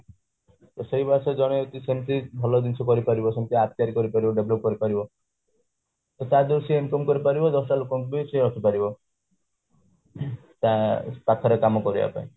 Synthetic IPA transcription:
t̪ɔseibased͡ʒɔɽ̃eot̪isemt̪ibʱɔlɔd̪int͡ʃʰɔkɔɾipaɾibɔsemt̪ʰiap̚t̪iaɾikɔɾipaɾibɔɖeblop̚kɔɾipaɾibɔ | t̪ɔt̪ad̪uɾsiemkɔmkɔɾipaɾibɔd̪ɔsʈalukɔmkbiseɾɔt̪ʰipaɾibɔ | t̪apakʰɔɾekamɔkɔɾiba̰pa̰ĩ

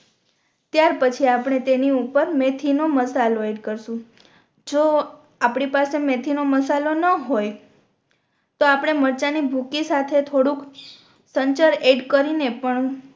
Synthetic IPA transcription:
t̪jaɾpət͡ʃʰiapɽ̃et̪eniupəɾmet̪ʰinoməsaloeɖkəɾʃũ | d͡ʒo | apɽ̃ipasemet̪ʰinoməsalonəɦoj | t̪oapɽ̃eməɾt͡ʃanibʱukisat̪ʰet̪ʰoɽũk | səɲt͡ʃəɾeɖkəɾinepəɳ

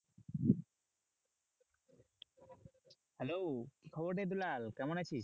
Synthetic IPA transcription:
hɛlowkikʰɔboɾʈ̪ed̪̬ulalkɛmonat͡ɕʰi

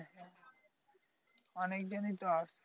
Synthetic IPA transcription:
ɔnek̚d͡ʑonit̪oaʃ

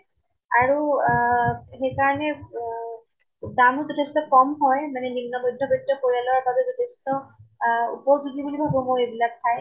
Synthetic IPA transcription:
aɹu | xejkaɹɔnɛ | damuzɔtʰestɔkɔmɦɔjmanɛnimnːɔmɔdʱːɔbɔtːɔkoɹialɔwaɹbabɛzɔtʰestɔ | ṵpɔzuɡibulibʱabɔ̃moejbilak̚tʰaj

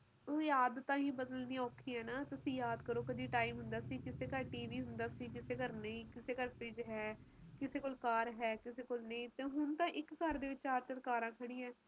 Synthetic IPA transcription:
oːjaːd̪t̪ãːɦĩːbəd̪əlniːɔːkʰĩːɛːnaːt̪ʊsĩːjaːd̪kəɾoːkəd̪iːʈaːimɦʊnd̪aːsiːkɪseːkəɾʈiːʋiːɦʊnd̪aːsiːkɪseːkəɾnəĩːkɪseːkəɾpɪd͡ʒɦɛːkɪseːkoːlkaːɾɦɛːkɪseːkoːlnəĩːt̪eːɦʊnt̪ãːʔɪkːəɾd̪eːʋɪt͡ʃt͡ʃaːɾt͡ʃəɾkaːɾãːkʰəɽ̃ĩːɛ̃ː

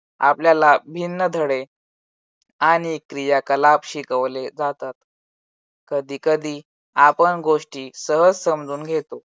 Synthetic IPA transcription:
a̰pljalabʱinːəd̪ʱəɽe | aɽ̃ikɾijakəlapɕikəʋled͡zat̪at̪ | kəd̪ʱiːkəd̪ʱiː | apənɡoʂʈiːsəɦəd͡zsəmd͡zuːnɡʱet̪o

